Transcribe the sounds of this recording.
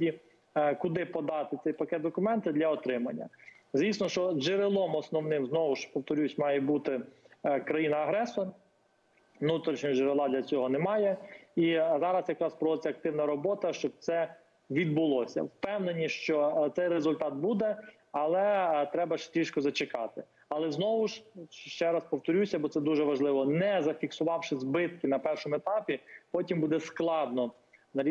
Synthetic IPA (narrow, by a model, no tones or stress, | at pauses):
dʲi | kʊd̪ɪpɔd̪ɑt̪ɪt̪sɛjpɐkɛt̪̚d̪ɔkʊmɛnt̪ɪd̪lʲɐɔt̪ɾɪmɐnʲːɐ̰zʋʲisnɔʃt͡ʃɔʒeɾɪlˠɔmɔsnɔwnɪmznɔʋʊʃpɔwt̪ɔɾʲusʲmɑjɛbut̪ɪkɾɐjinɐːɦɾɛsɔ | nut̪ɾʲit͡ʃɲʲɐʒeɾelˠɑd̪lʲɐt͡sʲɔɦɔnɛmɑjɛizɑɾɐsjɐkɾɑspɾɔʋɔd̪ɪt͡sʲɐk̚t̪ɪwnɐɾɔbɔt̪ɐʃt͡ʃɔb̚t̪sɛ | ʋʲid̪bʊlˠɔsʲɐ̰wpɛwnenʲiʃt͡ʃɔt̪sɛjrezʊlʲt̪ɑt̪̚bud̪ɛ | ɐlˠɛt̪ɾɛbɐʃt̪ʲɾʲiʃkɔzɐt͡ʃekɑt̪ɪ | ɐlˠɛznɔʋʊʃʃʃt͡ʃɛɾɐspɔwt̪ɔɾʲusʲɐbɔt̪sɛd̪uʒɛʋɐʒlˠɪʋɔnɛzɐfʲiksʊʋɑwʃɪzbɪt̪̚kɪnɐpɛrʃɔmʊet̪ɑpʲipɔtʲimbud̪ɛsklˠɑd̪nɔ | nɐɾʲ